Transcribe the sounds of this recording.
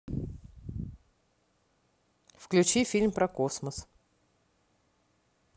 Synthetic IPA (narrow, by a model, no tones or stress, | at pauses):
fklʲʉt͡ɕifʲilʲmpɾɐkosməs